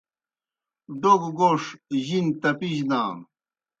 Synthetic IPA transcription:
ɖ̪oɡɡoːʂʑint̪ɐpiʑd̪aːm

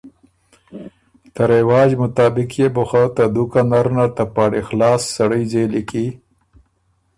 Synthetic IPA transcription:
t̪aɾewɑːd͡ʒmʊt̪ɑːbɪkjebʊxat̪ad̪ukanaɾnat̪apɑːɽixlɑːsːaɽəjzeliki

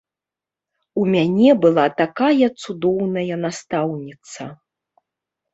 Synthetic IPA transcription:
umʲanʲɛbɨlˠat̪akajɐt̪sud̪ɔwnɐjɐnast̪awnʲit̪sɐ

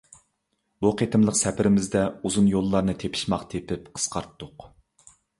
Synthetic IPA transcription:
buqʰet̪ʰɪmlˠəqsɛpʰɪɾɪmɪzd̪ɛuzunjolˠːɑɾnɨt̪ʰepʰi̥ʃmɑqt̪ʰepɪpqʰə̥sqʰɑɾt̪ːʊq

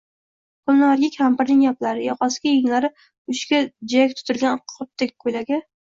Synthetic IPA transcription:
kʰʊlnaaɾɡʲakʲʰampɪɾnɪŋjaplaɾɪjɒqʰɒsɪɡʲajɪŋlaɾɪ | ʊʃkʲad͡ʒak̚ʲt̪ʰʊ̥t̪ʰɪlɡʲanqʰʊp̚t̪ʰːɪkʲkʰːʊjlaɡʲɪ

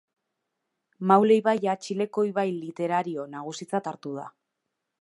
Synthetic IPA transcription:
mawle̞jβajat͡ʃile̞ko̞iβajlit̪e̞ɾaɾio̞naɣ̞usit͡sat̪aɾt̪uð̞a̰

